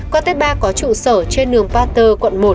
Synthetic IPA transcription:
kɔ˧t̪e˨˦ɓaː˧kɔ˨˦t͡ɕṵ˧˨səː˧˩t͡ɕe˧nɗɨ˨˩əŋpaː˧t̪əː˧˩kwə̰˧˨nmo˨˩t̚

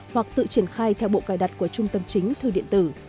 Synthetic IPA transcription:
hwa˨˩k̚t̪ɨ̰˧˨t͡ɕi˧˩ənxaː˧jt̪ʰɛ˧wɓo̰˧˨kaː˧˩jɗa˨˩t̚ku˧˩ət͡ɕʊ˧ŋ͡mt̪ə˧mt͡ɕï˨˦ŋ̟t̪ʰɨ˨˩ɗḭ˧ənt̪ɨ˧˩

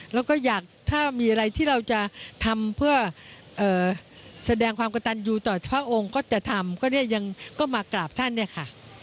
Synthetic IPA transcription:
lɛː˦˥wkɔː˥˩jaː˨˩k̚t̪ʰaː˥˩miː˧ʔa˧ɾa˧jt̪ʰiː˥˩ɾa˧wt͡ɕa˨˩t̪ʰa˧mpʰɯ˥˩ɐ | ʔɤː˨˩sa˧dɛː˧ŋkʰwaː˧mka˧t̪a˧njuː˧t̪ɔː˨˩pʰɾa˦˥ʔo˧ŋkɔː˥˩t͡ɕa˨˩t̪ʰa˧mkʰɔː˥˩ni˥˩ɐja˧ŋkɔː˥˩maː˧klaː˨˩p̚t̪ʰa˥˩nːi˥˩ɐkʰa˥˩

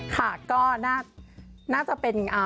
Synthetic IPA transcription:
kʰa˥˩kɔː˥˩naː˥˩naː˥˩t͡ɕa˨˩pe˧nʔaː˧

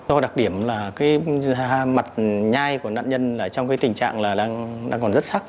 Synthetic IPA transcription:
zɔ˧ɗa˨˩k̚ɗi˧˩əmlaː˨˩kaː˨˦ja˧ma˨˩t̚ɲaː˧jku˧˩əna̰ː˧˨nɲə˧nlaː˨˩t͡ɕɔ˧wŋ͡mkaː˨˦t̪ï˨˩ŋ̟t͡ɕa̰ː˧˨ŋlaː˨˩ɗaː˧ŋɗaː˧ŋkɔ˨˩nzə˦˥t̚sa˦˥k̚

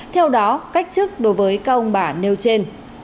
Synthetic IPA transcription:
t̪ʰɛ˧wɗɔ˨˦ka˦˥jk̟̚t͡ɕɨ˦˥ək̚ɗo˨˦jvəː˨˦jkaː˦˥k̚ə˧wŋ͡mɓaː˧˩ne˧wt͡ɕe˧n

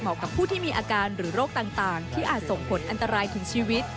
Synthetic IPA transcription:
mɔː˨˩˥kːa˨˩pʰːuː˥˩t̪ʰiː˥˩miː˧ʔaː˧kaː˧nɾɯː˩˦ɾoː˥˩k̚t̪aː˨˩ŋt̪aː˨˩ŋt̪ʰiː˥˩ʔaː˨˩t̪̚so˨˩ŋpʰo˩˦nʔa˧nt̪a˧ɾaː˧jt̪ʰɯ˩˦ŋt͡ɕʰiː˧wi˦˥t̪̚

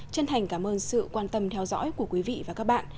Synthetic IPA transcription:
t͡ɕə˧nt̪ʰa˨˩jŋ̟kaː˧˩mʔəː˧nsɨ̰˧˨kwaː˧nt̪ə˧mt̪ʰɛ˧wzɔ̰˧˥jku˧˩əkwi˨˦vḭ˧˨vaː˨˩kaː˦˥k̚ɓa̰ː˧˨n

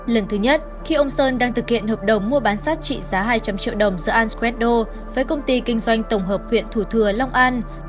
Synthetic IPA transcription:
lə˨˩nt̪ʰɨ˨˦ɲə˦˥t̚ | xi˧ʔə˧wŋ͡msəː˧nɗaː˧ŋt̪ʰɨ˨˩k̚hḭ˧˨ənhəː˨˩p̚ɗə˨˩wŋ͡mmu˧əɓaː˨˦nsaː˦˥t̚t͡ɕḭ˧˨zaː˨˦ɦaː˧jt͡ɕa˧mt͡ɕḭ˧ə˨wɗə˨˩wŋ͡mzɨ̰ː˧˥ʔaː˧nskwɛ˦˥t̚ɗo˧ | vaː˨˦jkə˧wŋ͡mt̪i˧kï˧ŋ̟zwa˧jŋ̟t̪ə˧˩wŋ͡mɦəː˨˩p̚hwḭ˧˨ənt̪ʰu˧˩t̪ʰɨ˧˩əla˧wŋ͡mʔaː˧n

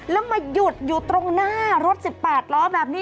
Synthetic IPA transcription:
lɛː˦˥wmaː˧ju˨˩t̪̚juː˨˩t̪ɾo˧ŋnaː˥˩ɾo˦˥t̪̚si˨˩pːɛː˨˩t̪̚lɔː˦˥bɛː˨˩p̚niː˦˥

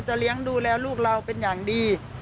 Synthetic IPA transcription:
t͡ɕa˨˩ʔli˦˥əŋduː˧lɛː˦˥˩wluː˥˩k̚la˧wpe˧njaː˨˩ŋdiː˧

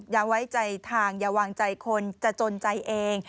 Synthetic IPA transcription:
jaː˨˩wa˦˥jt͡ɕa˧jt̪ʰaː˧ŋjaː˨˧˩waː˧ŋt͡ɕa˧jkʰo˧nt͡ɕa˨˩t͡ɕo˧nt͡ɕa˧jʔeː˧ŋ

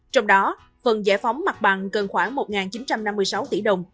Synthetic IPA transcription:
t͡ɕɔ˧wŋ͡mɗɔ˨˦ | fə˨˩nzə̰˧˩fa˨˦wŋ͡mma˨˩k̚ɓa˨˩ŋkə˨˩nxwaː˧˩ŋmo˨˩t̚ŋaː˨˩nt͡ɕi˨˦nt͡ɕa˧mna˧mːɨ˧əjsa˨˦wt̪ḭ˧˩ɗə˨˩wŋ͡m

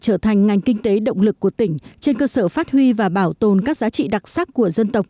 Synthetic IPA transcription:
t͡ɕəː˧˩t̪ʰa˨˩jŋ̟ŋa˨˩jŋ̟kï˧ŋ̟t̪e˨˦ɗə̰˧˨wŋ͡mlɨ˨˩kːu˧˩ət̪ï˧˩ŋ̟t͡ɕe˧nkəː˧səː˧˩faː˦˥t̚hwi˧vaː˨˩ɓaː˧˩wt̪o˨˩nkaː˦˥k̚zaː˨˦t͡ɕḭ˧˨ɗa˨˩t̚saː˦˥kku˧˩əzə˧nt̪ə˨˩wk͡p̚

